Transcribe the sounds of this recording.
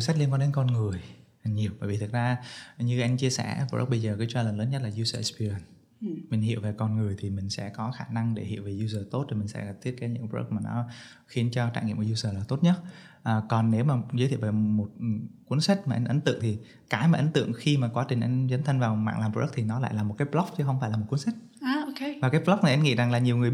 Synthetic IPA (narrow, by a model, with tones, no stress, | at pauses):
sa˦˥k̚i˧nkɔ˨˦ɗe˨˦nkɔ˧nŋɨ˨˩əjha˨˩ŋɲi˨˩əwɓə̰ː˧˨jvi˨˩ɨ˨˩t̚zaː˧ɲɨ˧ʔa˧jŋt͡ɕi˧əsɛ̰˧˩bə̰˦˥k̚ɓə˧jzəː˨˩kɨ˨˦t͡ɕwaː˧ləː˨˩nləː˨˦nɲə˦˥t̚laː˨˩zu˧zəː˨˦˥spi˧ə˨˩n | mï˨˩ŋ̟hḭ˧˨əwve˨˩kɔ˧nŋɨ˨˩əjt̪ʰi˨˩mï˨˩ŋ̟sɛ̰˧˥kɔ˨˦xaː˧˩na˧ŋɗe˧˩hḭ˧˨ə˨wve˨˩zu˧zəː˨˩t̪o˦˥t̚t̪i˨˩mï˨˩ŋ̟sɛ̰˧˥ɣa˨˩t̪ʰi˦˥t̚kaː˨˦jɲɨ̰˧˥ŋpːə̰˦˥k̚maː˨˩nɔ̰˨˦ | xi˨˦ənt͡ɕɔ˧t͡ɕa̰ː˧˨jŋḭ˧˨mo˧˨˩zu˧zəː˨˩laː˨˩t̪o˦˥t̚ɲə˦˥t̚ | ʔəː˨˩kɔ˨˩nːe˨˦wmaː˨˩zəː˨˦jt̪ʰi˧˨e˨˩mo˨˩t̚kwi˨˦ənsa˦˥t̚maː˨˩ʔa˨˦ŋ̟ʔə˨˦ŋ̟t̪ɨ̰˧˨əŋt̪ʰi˨˩ | kaː˨˦jmaː˨ʔə˨˦ŋ̟t̪ɨ̰˧˨əŋxi˧maː˨˩kwaː˨˦t͡ɕï˨˩ŋ̟ʔa˧zə˨˦nt̪ʰə˧ŋ̟vaː˨˩wma̰ː˧˨ŋlaː˨˩mpə˦˥k̚t̪ʰi˨˩nɔ˨˦la̰ː˧˨laː˨˩mo˨˩t̚kaː˨˦jplɔ˦˥p̚t͡ɕɨ˨˦xə˧wŋ͡mfaː˧jlaː˨˩o˨˩t̚ku˨˦ənsa˦˥k̚ | aː˧o˧ke˧vaː˨˩kaː˨˦jplɔ˦˥k͡p̚na˨˩jʔa˧nŋḭ˧˨za˨˩ŋlaː˨˩ɲi˨˩əwŋɨ˨˩ə